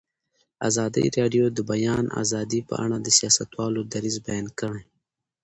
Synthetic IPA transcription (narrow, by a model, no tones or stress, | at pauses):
a̰ːzɑːd̪ḭɾeːɖijod̪əbɐjɑːnʔa̰ːzɑːd̪ipə̰a̰ɽ̃ad̪əsijɑːsat̪wɑːlod̪ɐɾizbajɑːnkɐɽẽ